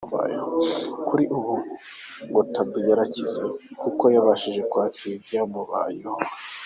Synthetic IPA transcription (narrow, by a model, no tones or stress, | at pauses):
uβa̰jehokuɾiʔuβu | ŋɡotabijaɾacizekuko̞jaβaʃiʒe̞kwaːkʰiiɡjamuβa̰jeho